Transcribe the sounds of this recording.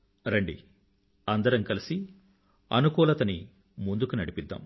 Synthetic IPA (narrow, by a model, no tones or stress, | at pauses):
ɾɐɳɖḭ | ɐnd̪ɐɾɐŋkɐlisi | ɐ̰nukɔːlɐt̪ɐni | mund̪ukunɐɽipid̪ːa̰ːm